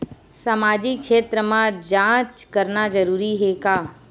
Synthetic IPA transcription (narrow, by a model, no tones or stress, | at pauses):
saːmaːd͡ʒɪkʃeːt̪ɾəmãd͡ʒãːt͡ʃkəɾnad͡ʒəɾuːɾiɦekaː